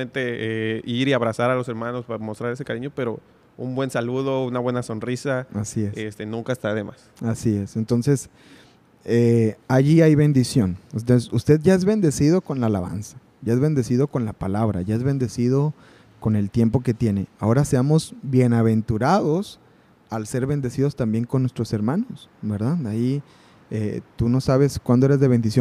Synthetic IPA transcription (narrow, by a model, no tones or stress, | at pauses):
ent̪e̞eiɾiaβɾasaɾalo̞se̞ɾmano̞spamo̞st̪ɾaɾes̬ekaɾiɲo̞pe̞ɾo̞ | ṵmbwe̞nsaluðo̞unaβwe̞naso̞nrisaasiesest̪enũŋkaest̪aaðema̰s | asie̞sent̪o̞nse̞s | eaʝiajβe̞nd̪isjonust̪esust̪e̞ðʝae̞zβe̞nd̪e̞sið̞o̞ko̞nlaːla̰βa̰nsḁ | ɟ͡ʝae̞zβe̞nd̪e̞siðo̞ko̞nlapalaβɾa̰ʝae̞zβe̞nd̪e̞sið̞o̞ | ko̞ne̞lt̪je̞mpo̞ke̞t̪je̞ne̞ao̞ɾaseamo̞zbje̞naβe̞nt̪uɾað̞o̞s | alse̞ɾβe̞nd̪e̞siðo̞st̪ambje̞ŋkonːwe̞st̪ɾo̞se̞ɾmãno̞sbe̞ɾðaðai | et̪uno̞saβe̞skwand̪oeɾezðeβe̞nd̪isjon